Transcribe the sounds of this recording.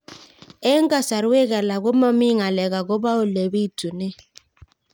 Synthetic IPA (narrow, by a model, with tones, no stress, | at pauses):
ɛ˦ŋ˦ɡa˦sa˨ɾwe˦ɣɛ˨la˨ɣo˦mɔ˦mi˦˨ŋa˨lɛ˨ɣa˨ɣo˦ba˦o˨le˨βi˦˨tu˨ne˦